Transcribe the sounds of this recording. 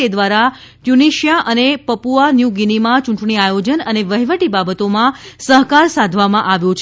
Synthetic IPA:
ed̪ʋaɾaʈjuniʃjaʔənepəpuanjuɡinimãt͡ʃũɳʈɳiajod͡ʒənəneʋəɦiʋəʈibabət̪omãsəɦkaɾsad̪ʱʋamãʔaʋjũt͡ʃʰ

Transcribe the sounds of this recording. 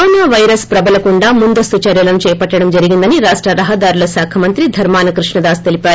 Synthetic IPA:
oːnaːʋɐjɾɐspɾɐbɐlɐkuɳɖaːmund̪ɐst̪ut͡ʃɐɾjɐlɐnut͡ʃɛːɐpɐʈːɐɽɐmd͡ʒɐɾiɡind̪ɐniɾaːʂʈɾɐɾɐɦɐd̪aːɾulɐsaːkʰɐmɐnt̪ɾid̪ʱɐɾmaːnɐkɾiʂɳɐd̪aːst̪e̞lipaːɾu

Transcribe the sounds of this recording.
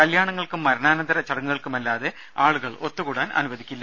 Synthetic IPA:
kɐljaːɳɐŋːɐɭkumːɐɾɐnaːnɐnd̪ɐɾɐt͡ɕɐɽɐŋːuɣɐɭkumɐlːaːðe | aːɭuɣɐɭo̞t̪ːuɣuːɽaːnʔɐ̰nuʋɐd̪ikʲːilːɐ

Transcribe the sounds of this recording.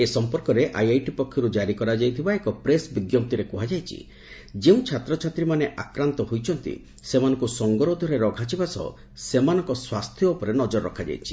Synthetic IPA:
esɔmpɔɾkɔɾeʔa̰jajʈipɔkʰjɔɾud͡ʒaɾikɔɾad͡ʒajt̪ʰibaekɔpɾesbiɡjɔp̚t̪iɾekuɦad͡ʒajt͡ʃʰḭ | d͡ʒeũt͡ʃʰat̪ɾɔt͡ʃʰat̪ɾimaneʔakɾant̪ɔɦojt͡ʃʰɔnt̪ḭ | semanɔ̃ŋkusɔŋɡɔɾod̪ʱɔɾeɾɔɡʱat͡ʃʰibasɔ̰ | semanɔŋkɔswast̪ʰjɔupɔɾenɔd͡ʒɔɾːɔ̰kʰad͡ʒa̰jt͡ʃʰi̥

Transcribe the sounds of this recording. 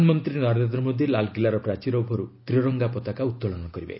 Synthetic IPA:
nmɔnt̪ɾinɔɾend̪ɾɔmod̪ʱilalɡilaɾɔpɾat͡ʃiɾɔbʱɔɾut̪ɾiɔɾɔŋɡapɔt̪akaut̪ːɔlɔnɔkɔɾibḛ

